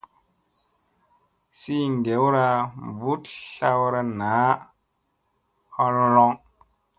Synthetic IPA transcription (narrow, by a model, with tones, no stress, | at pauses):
si˦n˨de˨˦wɾa˦˧˨bu˦tɬa˦wɾa˧na˨˦ | ha˧lɔ˧lɔ˧ŋ